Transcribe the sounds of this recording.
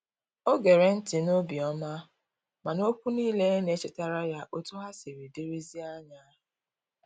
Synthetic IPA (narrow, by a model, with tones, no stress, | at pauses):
o˦ɡe˨ɾe˨n̩˦tɪ˨no˦bi˨ɔ˦ma˦ | ma˨no˦kʷu˦niː˦le˦ne˦t͡ʃɪ˦ta˦ɾa˦ja˦ʔo˦tu˦ɦa˦si˨ɾi˨di˦ɾi˦zi˦a˦ɲa˦ɦʊ˨